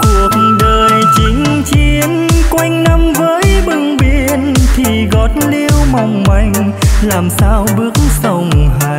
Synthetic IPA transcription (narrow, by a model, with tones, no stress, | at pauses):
ku˨˩ək̚ɗəː˨˩jt͡ɕï˨˦ŋ̟ | t͡ɕi˧ənkwa˧jŋ̟na˧mvəː˨˦jɓɨ˨˩ŋɓi˧˩ənt̪ʰi˨˩ɣɔ˨˩t̚li˧əwma˨˩wŋ͡mma˧˩jŋ̟ | laː˨˩msaː˧wɓɨ˦˥ək̚sə˧˩wŋ͡mha˧˨